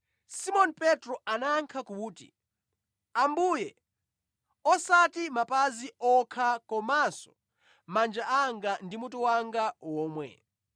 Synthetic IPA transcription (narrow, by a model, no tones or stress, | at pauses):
simɔnpɛtɾɔʔanaŋkʰakuuːtḭ | ambujɛ | ɔsatimapaziʔɔkʰakɔmasɔ̥ | mand͡ʒaʔaŋɡandimutuwaŋɡawɔːmwɛ̰